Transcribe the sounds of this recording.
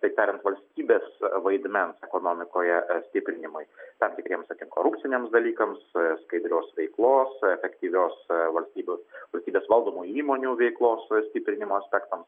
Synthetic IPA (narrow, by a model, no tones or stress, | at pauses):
t̪ɐɪp̚t̪ʲæːɾʲɪnt̪ʋɐlʲsʲt̪ʲiːbʲeːsʋɐɪd̪ʲmʲɛnsɛkoːnoːmʲɪkoːjɛsʲt̪ʲɪpʲɾʲɪnʲɪmʊɪt̪ɐmt̪ʲɪkɾʲiɛmsɐk̪ʲɪŋkoːɾʊp̪̚ʲsʲɪnʲeːmsd̪ɐlʲiːkɐmsskɐɪd̪ʲɾʲoːsʋʲɛɪklˠoːsɛfʲɛkt̪ʲiːʋʲoːsʋɐlʲsʲt̪ʲiːbʲoːsʋɐlʲsʲt̪ʲiːbʲeːsʋɐlˠd̪oːmuːiːmoːnʲuːʋʲɛɪklˠoːssʲt̪ʲɪpʲɾʲɪnʲɪmoːɐsʲpʲɛkt̪ɐms